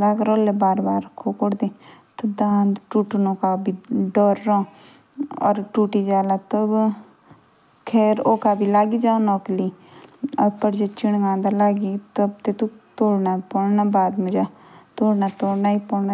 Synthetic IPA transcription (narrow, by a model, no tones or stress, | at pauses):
laːkɾoːlebaːɾbaːɾkʰːoːkoɽd̪eːt̪əd̪aːnʈuːʈnoːkabʱiːɖoːɾːãː | ɔ̰ːɾʈuːʈiːd͡ʒaːlaːt̪ə | kʰɛːɾoːkaːbʱiːlaːɡiːd͡ʒaːonɔːkliːəpəɾd͡ʒet͡ʃɪɳɡãːnd̪alaːɡit̪əbt̪eːt̪ut̪oːɽnaːpɔɽnaːbaːd̪mʊd͡ʒat̪oːɽnaːt̪oːɽnaːipɔːɽna